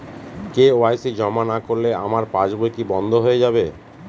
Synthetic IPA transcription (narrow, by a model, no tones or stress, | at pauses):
keoajsid͡ʑɔmanakoɾlea̰maɾpad͡ʑbojkibɔnd̪ʱoɦojed͡ʑabe